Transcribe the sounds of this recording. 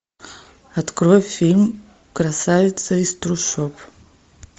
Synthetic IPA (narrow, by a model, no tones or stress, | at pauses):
at̪kɾojfʲilʲm | kɾasavɪt̪sɐist̪ɾuʂop